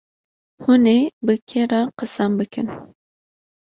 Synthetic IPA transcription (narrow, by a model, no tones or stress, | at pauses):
hunebɨkʰeɾɑqɨsambɨkɨ̰n